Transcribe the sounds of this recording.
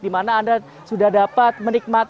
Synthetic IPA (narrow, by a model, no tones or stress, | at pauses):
dimanaːnda | sudahdapat̪̚mənɪk̚mat̪